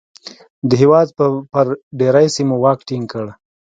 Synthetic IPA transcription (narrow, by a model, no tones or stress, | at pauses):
d̪əɦewɑd̪̚pəpəɾɖeɾajsimowɑkʈiŋɡkəɽ